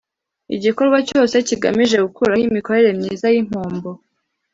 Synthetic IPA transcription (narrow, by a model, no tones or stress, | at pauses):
ḭɟiko̞ɾɡwaco̞ːse̞ciɡa̰miʒe̞ɡukʰuɾajimiko̞ɾe̞ɾe̞mɲiːzajim̥hoːmbo